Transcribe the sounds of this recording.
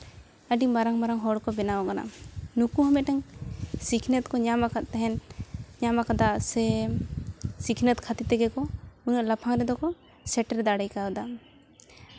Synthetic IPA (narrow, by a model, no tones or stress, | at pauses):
əɖimaɾaŋmaɾaŋɦɔɽkɔbɛnawakana̰nukuɦɔmɛt̪̚ʈɛŋsikʰnɛt̪̚kɔɲamakat̪t̪ɛɦɛnɲamakad̪asɛ | sikʰnɛt̪̚kʰat̪it̪ɛɡɛkɔunaʔlapʰaŋɾɛd̪ɔkɔ | sɛʈɾɛd̪aɽɛjkaɔd̪a